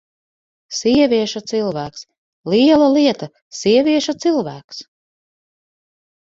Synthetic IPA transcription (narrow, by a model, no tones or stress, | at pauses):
siɛvʲiɛʃat̪silˠvæːks | lˠiɛlˠaliɛt̪a | siɛvʲiɛʃut̪silˠvæːks